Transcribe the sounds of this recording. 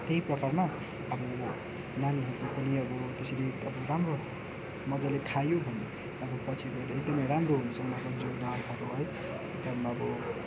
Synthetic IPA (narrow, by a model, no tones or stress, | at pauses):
t̪eiprʌkarma | ʌbʌ | naniɦʌt̪opʌniʌbʌt̪esʰiliʌbʌramro | mʌd͡zaleʈʰajoɦʌni | ʌbʌpʌt͡sʰibʌeɾʌek̚d̪ʌmʌjɾamroɦunusʌŋnabʌd͡zodakʰaɾoɦʌj | t̪ʌmaʌbʌ